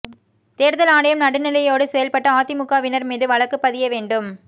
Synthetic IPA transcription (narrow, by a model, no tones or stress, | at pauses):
t̪eːɾðɐlaːɽɐjɐmnɐɽɯnɪlɐjoːɽɯsɛjɐlpɐʈːɐaːt̪ɪmʊkːaːʋɪnɐɾmiːðɯʋɐɭɐkːɯpːɐðɪjɐʋeːɳɖɯm